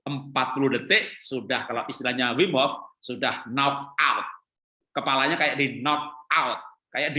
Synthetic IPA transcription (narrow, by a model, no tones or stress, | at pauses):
ʔəmpat̪̚puluhdət̪ɪʔsudahkalawʔist̪ilahɲawimɔfsudahnak̚aʊt̪̚ | kəpalaɲakajaʔdinɔk̚aʊt̪̚ | kajaʔdi